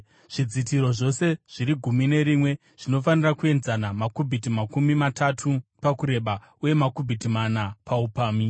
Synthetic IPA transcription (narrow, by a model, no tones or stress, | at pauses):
ʐ̥id͡zitiɾo̞ʐo̞se̞ʐ̥iɾiɡʱumine̞ɾimwe̞ | ʐ̥ino̞fanirakue̞nzanamakubʱitimakumimatatʰupakuɾe̞ɓa | uje̞makubʱitimanapʰaupaːmi